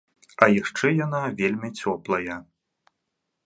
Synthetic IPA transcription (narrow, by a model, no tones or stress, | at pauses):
ɐjaʂt͡ʂɛjan̪avʲelʲmʲit͡sʲɔplˠɐjɐ